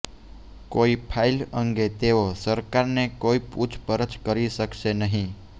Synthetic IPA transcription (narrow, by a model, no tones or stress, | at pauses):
koipʰailəŋɡet̪eosəɾkaɾnekoiput͡ʃʰpəɾət͡ʃkəɾiʃəkʃenəɦĩ